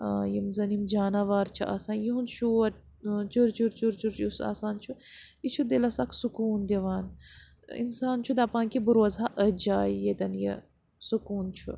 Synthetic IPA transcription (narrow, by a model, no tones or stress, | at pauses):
jimzɐnimd͡ʒaːnaːʋaːɾt͡ʃʰiʔa̰sãːnjiɦunʃuɐ | t͡ʃuɾt͡ʃuɾt͡ʃuɾt͡ʃuɾt͡ʃjusa̰ːsaːnt͡ʃʰu | it͡ʃʰud̪elɐsaːksukuːnd̪ʲeʋaːn | ḭnsaːnt͡ʃʰud̪ɐpãːŋkibuɾʋɐzɦaʔəd͡ʒaːjjed̪ɐnjḭ | sukuːnt͡ʃʰṵ